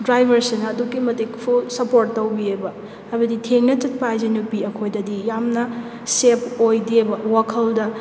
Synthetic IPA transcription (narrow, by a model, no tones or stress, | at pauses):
dɾajbʱɐɾsinɐːdukimɐtekpʰusɐpoɾʈːɐwbiebɐ | hajbɐditʰeŋnɐt͡ʃɐt̚pajd͡ʒɐnupiɐkʰojdɐdijamnɐ | sepojdebɐwakʰɐldɐ